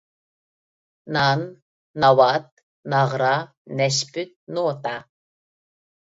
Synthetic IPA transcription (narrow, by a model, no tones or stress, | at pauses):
nanː | awat̪̚ | naʁɾa | nɛʃpʰɨt̪̚noːt̪a